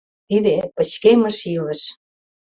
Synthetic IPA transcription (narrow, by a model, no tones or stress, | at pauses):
t̪id̪epə̆t͡ɕkemə̆ʃilə̆ʃ